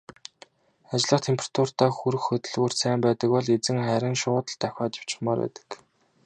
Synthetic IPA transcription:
at͡ɕɪ̆ɮə̆χt̪ʰempʰrḁt̪ʰur̥t̪aːxuɾɘ̆xxɵt̪ɵ̆ɮɣur̥sæːmpæːt̪ə̆kpɔɮet͡sɘ̆ŋχæɾʲɪ̆nʃʊːt̪ə̆ɮt̪æxʲaːt͡ɕ̪ɪ̥w̥t͡ɕɪ̆χmaːɾwæ̰ːt̪ə̥̆k

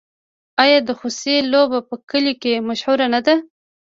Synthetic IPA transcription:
ajɑd̪əxuselobapəkəlokemaʃhuɾanad̪a

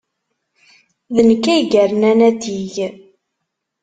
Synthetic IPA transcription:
ðənəkːæjɡæɾnænæt̪iʝ

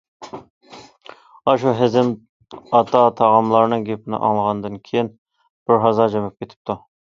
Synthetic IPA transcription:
ɑʃuɦɪzɪm | ɑt̪ʰɑt̪ʰɑʁɑmlˠɑɾnɨŋɡʲepʰɪnɪ̰ʔɑ̰ŋlˠəʁɑnd̪ɨnkʲʰejin | b̥ɪɾɦɑzɑd͡ʒɛmɛp̚kʲʰet̪ʰɪ̥p̚t̪ʰu

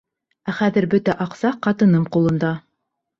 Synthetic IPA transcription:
æχæðɘ̆ɾbɵt̪æʔɑqsɑqɑt̪ɤ̆nɤɴqulˠɤ̆nd̪ɑ

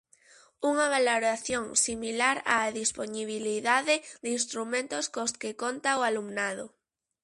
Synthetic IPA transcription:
uŋaβaloɾaθjoŋsimilaɾa̰ðisponiβ̞iliðaðeðinst̪ɾumẽnt̪oskoskekont̪aoalumnað̞o

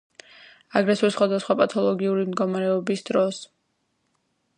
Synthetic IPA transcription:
aɡɾɛsuɾisχwad̪asχwapʼat̪ʰɔlˠɔɡiuɾimd̪ɡɔmaɾɛɔbisd̪ɾɔs

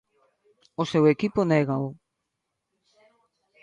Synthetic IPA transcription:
osewekiponeɣaʊ

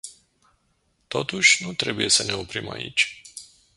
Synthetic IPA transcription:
t̪o̞t̪uʃʲnut̪ɾe̞buje̞səne̞opɾima̰ḭt͡ʃʲ

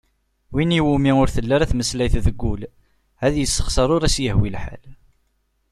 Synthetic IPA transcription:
winiwumiʊɾθəlːaɾæθməslæjθðəɡːul | hæðjəsːə̥χsəɾˤʊɾæsjəhwilħa̰l

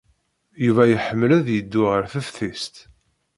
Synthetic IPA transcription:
juvæjəħəmːəlæðjəd̪ːʊʁəɾfəfθist̪

